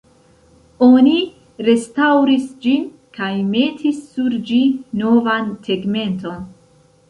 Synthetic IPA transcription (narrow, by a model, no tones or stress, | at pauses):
o̞ni | ɾe̞stawɾisd͡ʒin | kajme̞tʰisːuɾd͡ʒino̞vanteɡme̞nto̞n